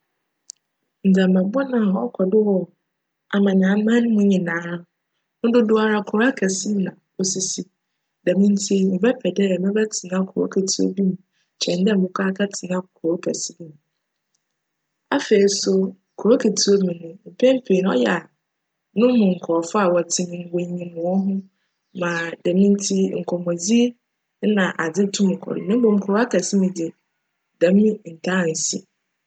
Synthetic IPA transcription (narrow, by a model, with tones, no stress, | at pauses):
n̩˨da˨mɛ̃˨bɔ˦nã˨ɔ˦kʰɔ˨dɪ˦wɔ˨ | a˨mã˨ñ˨a˨˦mã˦nʊ̃˦mũ˦ɲɪ̃˨nãː˨˦ | nʊ̃˦dʊ˦dʊ˦a˨ɾa˦kʰʊ˨ɾa˦kʰɛ˨si˦m˦nã˨ | o˨si˨si˦ | dɛ˨mĩ˦n̩˦tʰi˦mɪ̃˨bɛ˦pʰɛ˨dɛ˦˨mɪ̃˦bɛ˦tʰɪ˨nã˦kʰʊ˨ɾo̰˦kʰɛ˨tʰi˦o̰˦bĩ˦m̃˨ | t͡ɕʰɛ̃˨n˦dɛ˦˨ʊ̃˦kʷʰaː˦kʰa˦tʰɪ˨ã˦kʰɔ˨ɾo˦kʰɛ˨si˦m̃˦m̃˨ | a˨fe˨i˨˦sʊ˦ | kʰʊ˨ɾo˦kʰe˨tʰi˨o˦mĩ˨nʊ̃˦m̩˨pʰɛ̃˦m̩˦pʰe˨n˦ɔ̰˦jɛ˨a˨ | nʊ̃˦mʊ̃˨ŋ̩˨kʰɔ˨fɔ˦a˨wɔ˨tʰɪ˨nɪ̃˨n˨wo˨ĩ˨mʊ̃˨wɔ˦ɦʊ̃˦ | mã˨dɛ˨mĩ˦n˦tʰi˦ŋ̩˨kʰɔ˨mɔ˨d͡zi˦ | nã˨ʔa˨d͡zɪ˦tʰũ˦mʊ̃˨kʰɔ̰˨ɾɪ̰˨mɪ̃˦bõ˨m̩˨kʰʊ˨ɾa˦kʰa˨sɪ˦mɪ̃˨dɪ˨ | dã˨m˦mĩ˦n̩˨tʰã˦˨n̩˨sḭ˦